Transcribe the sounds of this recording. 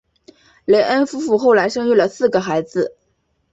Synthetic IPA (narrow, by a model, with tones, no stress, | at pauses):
le˧˥ɪʔə˥nfu˥fu˥˧xo˥˩ʊla˧˥ɪʂɤ˥ŋy˥˩lə˩sɹ̩˥˩ɡə˩xa˧˥ɪd͡zɹ̩˧